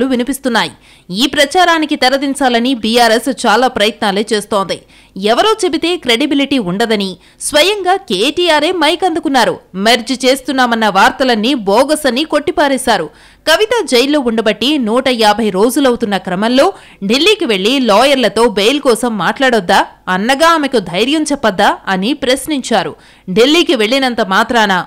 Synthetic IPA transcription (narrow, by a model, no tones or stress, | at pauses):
luʋinipist̪unːaːji | iːpɾɐt͡ʃaːɾaːnikit̪ɛɾɐd̪iɲt͡ʃaːlɐnibijaːɾest͡ʃaːlaːpɾɐjɐt̪naːleːt͡ʃe̞ːst̪oːnd̪i | ɛʋɐɾo̞ːt͡ʃe̞bit̪e̞ːkɾe̞ɽibiliʈiːuɳɖɐd̪ɐni | sʋɐjɐŋɡaːkeːʈiːjaːɾe̞ːmɐjkɐnd̪ukunːaːɾumeɾd͡ʒt͡ʃe̞ːst̪unːaːmɐnːɐʋaːɾt̪ɐlɐnːibɔːɡɐsɐnːiko̞ʈːipaːɾɛːsaːɾu | kɐʋit̪ɐd͡ʒejlːo̞ːuɳɖɐbɐʈːinuːʈɐjaːbʱɐjɾo̞ːd͡ʒulɐwut̪unːɐkɾɐmɐnlo̞ː | ɖilːiːkiʋe̞ɭːilɔːjɐɾlɐt̪o̞ːbejlkɔːsɐmːaːʈlaːɽɔd̪ːaːɐnːɐɡaːmekud̪ʱɐjɾjɐmt͡ʃɛpːɐd̪ːaːɐnipɾɐsniɲt͡ʃaːɾṵ | ɖilːiːkiʋe̞ɭːinɐnt̪ɐmaːt̪ɾaːna